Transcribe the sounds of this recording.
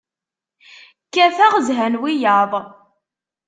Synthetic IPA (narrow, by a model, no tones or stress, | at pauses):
kːæfæʁzɦænwijɑðˤ